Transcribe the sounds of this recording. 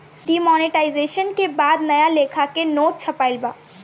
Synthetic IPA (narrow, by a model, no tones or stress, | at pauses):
ɖiːmɔːnɪʈaːɪzeːʃənkebaːd̪nɐjaleːkʰakenoːʈ̚t͡ʃʰɐpaːɪlbaː